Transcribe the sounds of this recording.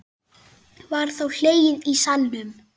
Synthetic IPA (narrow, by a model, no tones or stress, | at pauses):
vaɾ̥θawl̥eːjɪðisalmʏm